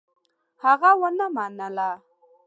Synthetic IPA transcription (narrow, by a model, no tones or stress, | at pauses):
haɣawanamanala